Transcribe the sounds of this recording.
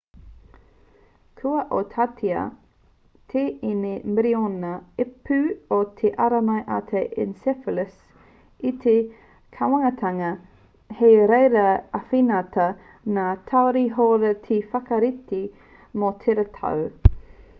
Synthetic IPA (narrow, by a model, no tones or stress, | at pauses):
kʰuɐʔot̪ʰat̪ʰiɐ̰ | t̪ʰeːinemɪɾionɐepʉot̪ʰeʔaɾɐmɐjʔat̪ʰeʔɪnsɛfələs | it̪ʰe | kʰawɐŋɐt̪ʰɐŋɐ | hejɾejɾɐɐfinɐtɐ | naːtʰawɾiɦoɾɐt̪ʰifɐkɐɾit̪i | mot̪ʰeɾɐt̪ʰa̰w